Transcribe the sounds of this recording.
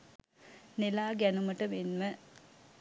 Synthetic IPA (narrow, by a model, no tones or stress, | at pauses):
nilaːɡænumɐʈɐmenmə